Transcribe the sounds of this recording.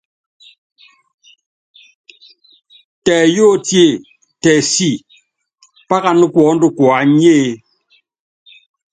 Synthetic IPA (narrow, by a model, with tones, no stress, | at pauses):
tɛː˨jɔ˦tje˦˨ | tɛ˨si˦˨ | pa˦ka˦˨nu˦kwɔ˨˦n̩˦du˦kwɔ˨a˨˦ɲe˦˨